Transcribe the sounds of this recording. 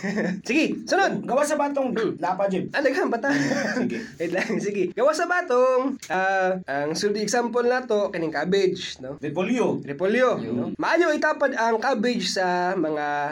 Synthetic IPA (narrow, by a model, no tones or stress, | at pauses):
sɪɡɛsʊnod̪̚ɡɐwasɐbaːt̪oŋlaːpad͡ʒɛnɐlɐɡaɐŋbat̪aɡɪd̪laŋsɪɡɛɡɐwasɐbaːt̪oŋʔaʔɐŋsuld̪ɪɛɡsampolnaːt̪o̞kɐnɪŋkaːbɪd͡ʒnoɾɪpoljoɾɪpoljono̰mɐʔaːjoʔɪt̪aːpɐd̪ɐŋkaːbɪd͡ʒsɐmɐŋa